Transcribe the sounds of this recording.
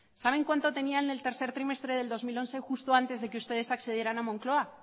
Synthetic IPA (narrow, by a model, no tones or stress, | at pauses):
saβ̞e̞ŋkwant̪o̞t̪e̞nianelt̪e̞ɾθe̞ɾt̪ɾime̞st̪ɾe̞ð̞e̞ld̪o̞zmilo̞nθexust̪oant̪e̞zðe̞keust̪e̞ð̞e̞sakθe̞ð̞jeɾanamõ̞ŋklo̞a